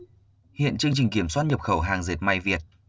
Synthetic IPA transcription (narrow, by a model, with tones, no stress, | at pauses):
hḭ˧˨ənt͡ɕɨ˧əŋt͡ɕï˨˩ŋ̟ki˧˩əmswaː˥t̚ɲə˨˩p̚xə˧˩wɦaː˨˩ŋze˨˩t̚ma˨˧˩jvi˨˩ət̚